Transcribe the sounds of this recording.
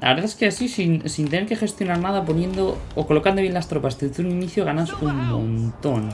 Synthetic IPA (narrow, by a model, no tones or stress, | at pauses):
la̰βeɾðaeskeasisinsint̪e̞neɾke̞xe̞st̪jo̞naɾnaðapo̞njẽ̞nd̪ookolo̞kand̪oβje̞nlast̪ɾo̞past̪et̪uɾuniniθjoɣanasuŋmõ̰nt̪o̞n